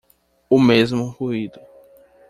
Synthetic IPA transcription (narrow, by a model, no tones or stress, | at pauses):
ʊmezmʊhuid̪ʊ